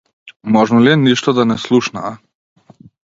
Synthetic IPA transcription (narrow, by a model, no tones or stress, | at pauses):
mɔʒnɔliɛniʃt̪ɔd̪anɛslˠuʃnaː